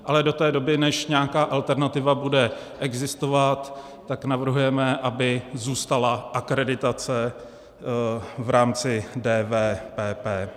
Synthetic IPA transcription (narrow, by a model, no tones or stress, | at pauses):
ʔalɛdo̞t̪ɛːdo̞bɪnɛʃɲɛakaːʔalt̪ɛɾnat̪ɪvabudɛ | ʔɛɡzɪst̪o̞vat̪ː | aknavr̩ɦujɛmɛʔabɪzuːst̪alaʔakɾɛdɪt̪at͡sɛ | vɾaːmt͡sɪdɛːvɛːpɛːpɛː